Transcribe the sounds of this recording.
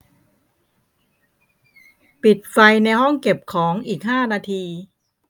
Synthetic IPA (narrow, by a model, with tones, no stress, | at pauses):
pi˨˩t̪̚fa˧jna˧jɦɔ˥˩ŋke˨˩p̚kʰɔː˩˦ŋʔiː˨˩k̚ɦaː˥˩naː˧t̪ʰiː˧